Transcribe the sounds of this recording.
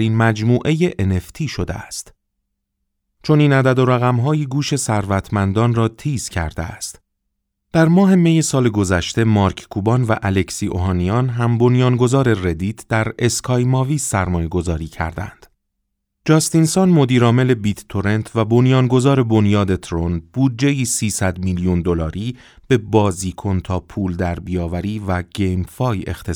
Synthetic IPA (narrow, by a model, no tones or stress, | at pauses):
ɾiːnmæd͡ʒmuːʔe̞je̞ʔeneft̪ʰiːʃo̞d̪ḛæst̪ | t͡ʃʰo̞ninæd̪æd̪o̞ɾæɣæmɦɒːjiɡuːʃe̞sæɾvæt̪ʰmænd̪ɒːnrɒːt̪ʰiːz̥cʰæ̰ɾd̪eæ̰st̪ | d̪̥æɾmɒːɦe̞me̞jesɒːle̞ɡo̞zæʃt̪e̞mɒːɾkʰkʰuːbɒnvæʔæle̞csiːʔo̰ɦɒːnijɒːnɦæmbo̞njɒːnɡo̞zɒːɾe̞re̞d̪iːt̪ʰd̪̥æɾe̞skʰɒːjmɒːviːæɾmɒːje̞ɡo̞zɒːɾiːcʰæ̰ɾd̪æ̰nd̪̥ | d͡ʒɒːst̪insɒnmo̞d̪iːɾɒːme̞le̞bit̪ːʰo̞ɾe̞nt̪ʰvæbo̞njɒːnɡo̞zɒːɾe̞bo̞njɒːd̪e̞t̪ʰɾonb̥uːd̪̚d͡ʒe̞jiːsiːsæd̪miljund̪o̞lɒːɾiː | b̥e̞bɒːziːkʰo̞nt̪ʰɒːpʰuːld̪æɾbijɒːvæɾiːvæɟ̥ejmfɒːje̞̰xt̪ʰe